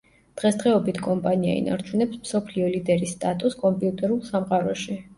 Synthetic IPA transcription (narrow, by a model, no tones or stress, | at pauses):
d̪̥ʁɛsd̪ʁɛɔbit̪ʰkʼɔmpʼania̰ḭna̰ɾt͡ʃʰunɛpsmsɔpʰliɔlid̪ɛɾist̪ʼat̪ʼuskʼɔmpʼiut̪ʼɛɾulˠsamqʼaɾɔʃi